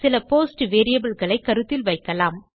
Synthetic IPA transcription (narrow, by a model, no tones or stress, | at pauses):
sɪlɐpoːsʈʋeːɾɪjɐbɐlɣɐɭɐɪkːɐɾɯt̪ːɪlʋɐɪkːɐlaːm